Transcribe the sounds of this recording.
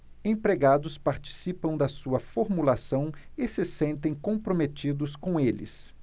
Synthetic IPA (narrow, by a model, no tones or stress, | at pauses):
ẽpɾeɡad̪ʊspaɾt͡ʃi̥sipɐ̃w̃d̪ɐsuɐfoɾmulasɐ̃w̃ɪsɪsẽnt̪ẽj̃kõpɾomet͡ʃid̪ʊskõw̃elɪ̰s